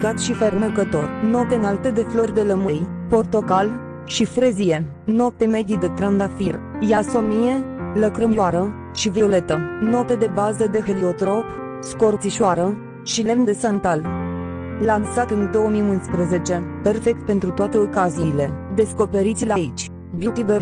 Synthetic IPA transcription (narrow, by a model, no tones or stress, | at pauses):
kat̪ʃifernəkət̪o̞rʲnot̪eɨnalt̪e̞d̪e̞flo̞rʲd̪eləmɨjpo̞rt̪o̞kal | ʃifɾezije | not̪eme̞d̪id̪et̪ɾand̪afirjaso̞mijeləkɾəmaɾə | ʃiveole̞t̪ənot̪e̞d̪e̞bazəd̪e̞ɦeliot̪ɾo̞p | sko̞rt̪siʃoaɾə | ʃile̞md̪esant̪al | lansat̪ɨnd̪o̞wəmiunspɾəze̞t͡ʃe̞pe̞rfek̚t̪̚pent̪ɾut̪oat̪e̞okaziːle̞d̪e̞sko̞pe̞ɾit̪sʲlait͡ʃʲ | viut̪iver